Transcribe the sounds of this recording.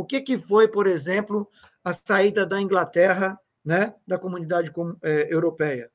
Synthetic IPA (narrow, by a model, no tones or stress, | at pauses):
ʊkɪkɪfojpoɾezẽplʊ | ɐsaid̪ɐd̪ɐĩŋɡlat̪ɛɦɐ | nɛd̪ɐkomũnid̪ad͡ʒɪkomɛewɾopɛjɐ